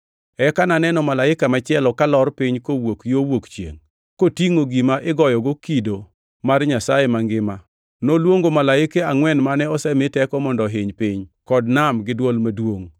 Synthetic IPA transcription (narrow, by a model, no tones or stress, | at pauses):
ɛkananɛnɔmalaɪkamat͡ʃɪɛlɔkalɔrpɪɲkowokjowokt͡ʃjḛŋ | kotiŋoɡimaʔɪɡɔjɔɡokido | marɲasajemaŋɡɪma | nolwoŋɡomalaɪkeaŋwɛnmanɛɔsɛmɪtɛkɔmɔndɔɦɪɲpɪɲkɔdnamɡɪdwolmadwoŋ